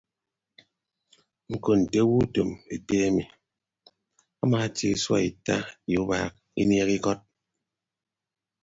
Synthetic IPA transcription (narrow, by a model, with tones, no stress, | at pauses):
ŋ̩˨ko˨n̩˨te˦wu˦to˨me˨te˦a˦mi˨ | a˦maː˨tḭ˨˦swa̰˦˨i˨ta˦i˨u˦ba̰ː˨k̚ | ḭ˦nje˦ki˦kɔ˦t̚